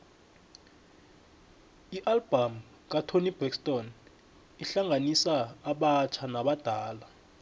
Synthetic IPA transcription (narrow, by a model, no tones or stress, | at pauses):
iʔalb̥ʱam | k̬ʼatʰonib̥ɛkstʼɔn | iɬaŋʱanisaːɓat͡ʃʰanaɓad̥ʱaːla